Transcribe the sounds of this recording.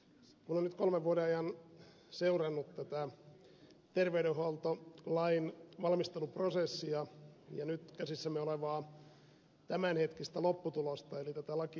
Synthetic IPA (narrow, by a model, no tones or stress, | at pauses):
kunonnyt̪kolmeʋʋuoɾeɑjɑn | seurɑnːut̪t̪æt̪æ | t̪erʋeydeholt̪olɑinʋɑlmist̪eluprosesːiɑjɑnyt̪kæsisːæmːeoleʋɑː | t̪æmænhet̪kist̪ælopːut̪ulost̪ɑelit̪æt̪ælɑki